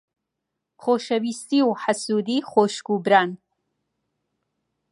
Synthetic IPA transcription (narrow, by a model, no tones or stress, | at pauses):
χoʃɐwist̪iwħasuːd̪iχoʃɡubɾan